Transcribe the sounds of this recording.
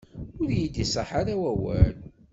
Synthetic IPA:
ʊɾjid̪isˤəħaɾawæwæl

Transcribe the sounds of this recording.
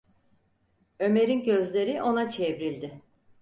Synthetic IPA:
ø̞me̞ɾinɟø̞zlʲe̞ɾiʔo̞nat͡ʃʰevɾilʲd̪ɪ

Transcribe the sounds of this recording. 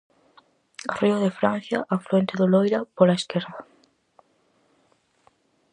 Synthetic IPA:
r̥iʊðefɾan̟θjaʔafluent̪eðʊlojɾapolaeskeɾða

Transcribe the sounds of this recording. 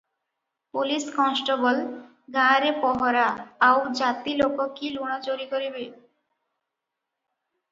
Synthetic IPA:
puliskɔnsʈobol | ɡʱãɾepɔɦoɾaːwd͡ʑat̪ilokokiluɽ̃ad͡ʑoɾikoɾibe

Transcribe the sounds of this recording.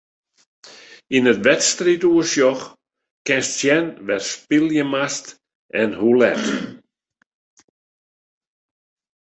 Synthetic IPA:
inətʋɛtstrituəsjɔx | kɛnstsjɛnʋɛrspilˠjəmast | ɛnhulɛ̰t

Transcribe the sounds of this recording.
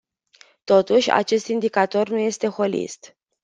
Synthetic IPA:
t̪o̞t̪uʃʲa̰t͡ʃe̞st̪ind̪ikat̪o̞rnuje̞st̪e̞xo̞lḭst̪

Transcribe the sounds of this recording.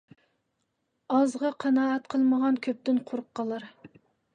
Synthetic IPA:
ɑzʁɑqʰɑnɑːɛt̪qʰəlˠməʁɑnkʲʰøp̚t̪ɪnqʰoɾqːɑlˠɑɾ

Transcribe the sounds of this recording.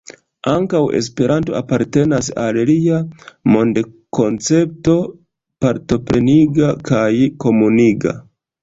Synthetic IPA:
aŋkawe̞̰s̬pe̞ɾʔanto̞̰apaɾte̞nasa̰lliamo̞nde | ko̞nt͡se̞p̚to̞ | paɾto̞pɾe̞niɡakajko̞muniɡa̰

